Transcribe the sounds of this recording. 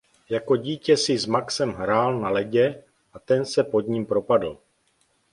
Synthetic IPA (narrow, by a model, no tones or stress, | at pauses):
jako̞ɟiːcɛsɪzmaksɛmɦɾaːlnalɛɟɛ | ʔat̪ɛnsɛpo̞d̪ɲimpɾo̞padl̩